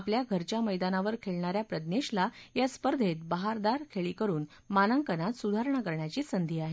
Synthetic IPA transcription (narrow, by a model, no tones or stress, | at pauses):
apljaɡʱəɾt͡ɕjaməjd̪anaʋəɾkʰeɭɳaɾjapɾəd̪neɕlajaspəɾd̪ʱet̪̚baɦaɾd̪aɾkʰeɭiːkəɾuːn | manaŋkənat̪sud̪ʱaɾɳakəɾɳjat͡ɕiːsənd̪ʱiːaɦe